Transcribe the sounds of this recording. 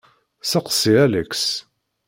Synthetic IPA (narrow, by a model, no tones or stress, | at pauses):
səqə̥siæləks